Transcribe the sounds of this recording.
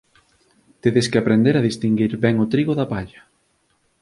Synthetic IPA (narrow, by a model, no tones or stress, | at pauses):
t̪eðeskɪapɾend̪eɾaðist̪iŋɡiɾbɛŋot̪ɾiɣoðapaʎɐ